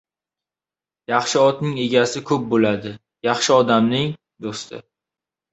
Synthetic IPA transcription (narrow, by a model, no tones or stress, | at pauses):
jɑχʃɪɒt̪nɪŋe̞ɡʲasɪkʰɵp̚bolad̪ɪ | jɑχʃɪɒd̪amnɪŋ | d̪ost̪ʰɪ̰